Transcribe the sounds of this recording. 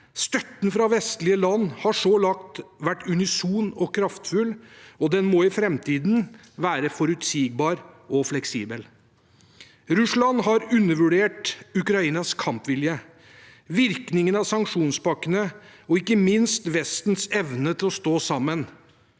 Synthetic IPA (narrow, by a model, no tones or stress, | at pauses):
st̪œt̪n̩fɾɑʋɛst̪lɪəlɑnːhɑʂoːlɑkt̪ʋæʈːʉnɪsuːnɔkʰɾɑft̪fʉlɔd̪ɛnmɔɪfɾɛmt̪ʰiːd̪n | ʋæːɾəfɔɾʉt̪siːɡ̚bɑːɾɔflɛksiːbəl | ɾʉslɑnɦɑɾʉnːəɾʋʉɖeːʈʉkɾɑiːnɑskʰɑmpʋɪljə | ʋɪɾknɪŋənɑsɑŋkʂuːnspɑkːənəɔɪkːəmɪnst̪ʋɛst̪nsɛʋnət̪ʰɪlɔst̪oːsɑmːən